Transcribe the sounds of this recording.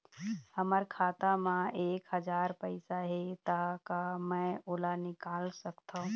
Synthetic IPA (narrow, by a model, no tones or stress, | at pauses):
həməɾkʰaːt̪amãeːkɦəd͡ʒaːɾpəɪsaɦet̪akamə̃oːlanɪkaːlsəkt̪ʰaɦũ